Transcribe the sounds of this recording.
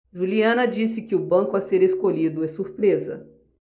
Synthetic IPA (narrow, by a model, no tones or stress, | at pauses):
ʒuliɐ̃nɐd͡ʒisɪkɪʊbɐ̃ŋkʊaseɾeskoʎid̪ʊɛsuɾpɾezɐ̰